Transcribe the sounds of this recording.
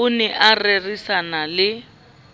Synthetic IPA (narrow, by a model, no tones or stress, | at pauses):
ʊnɛʔarerisanalɪ